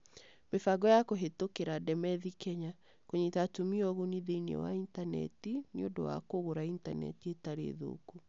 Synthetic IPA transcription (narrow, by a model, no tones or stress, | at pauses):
mefaɡɔjakoɦetokeɾadɛmɛðikɛɲa | koɲetatumiɔɣoniðeiniɔ̰wa̰intanɛ̰tiniodo̰wa̰koɣoɾaintanɛ̰tietaɾḛðo̰ːku